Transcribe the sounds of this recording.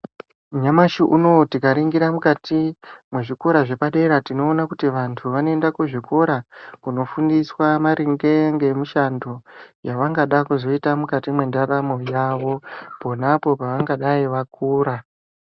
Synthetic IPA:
ɲamaʃiʔuno̞tikaɾiŋɡiɾamukatimweʐiko̞ɾaʐe̞paɗe̞ɾatino̞ːnakutiʋantʰuʋanoendakuʐiko̞ɾakuno̞fundiswamaɾʔiŋɡe̞ŋɡe̞muʃando̞jaʋaŋɡaɗakuzo̞itamukatimwendaɾamo̞jaʋo̞po̞napo̞paʋaŋɡaɗaiʋak̚ʰuːɾa

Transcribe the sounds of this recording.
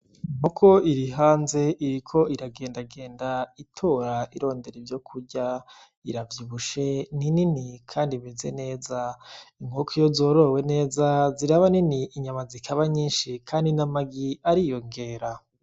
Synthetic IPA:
ŋukʰo̞iɾiɦaːnze̞ʔiɾikʰo̞iɾaɡe̞ːndaɡe̞ːndaitʰoɾaiɾo̞ːnde̞ɾevjo̞kʰuɟa | iɾavjiβuʃe̞nininikʰaːndiβize̞ne̞ːzaiŋɡokʰijozoɾo̞we̞ne̞ːzaziɾaβaniniːɲamazikʰaβaɲiːnʃikʰaːndinamaɡiaɾijo̞ŋɡe̞ːɾa

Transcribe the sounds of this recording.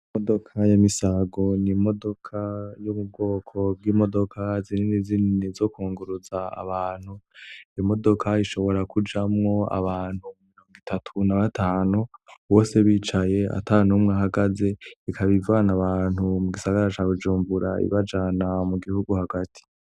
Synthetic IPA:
modo̞kʰajamisaɡo̞nimo̞do̞kʰajuβub̚ɡo̞ːkʰo̞b̚ɡiːmo̞do̞kʰazininizininizo̞kuːŋɡuɾuzaa̰βaːn̥hujimo̞do̞kʰaiʃo̞βo̞ɾakud͡ʒamŋo̞a̰βaːn̥humumiɾo̞ːŋɡitʰatʰunaβatʰaːnuwo̞ːse̞βit͡ʃaje̞a̰tanumŋaɦaɡaze̞ikʰaβivanaβaːnhumuɡisaɡaɾat͡ʃaːβud͡ʒuːmbuɾa̰ḭβad͡ʒanamuɡihuɡuhaɡatʰi̥

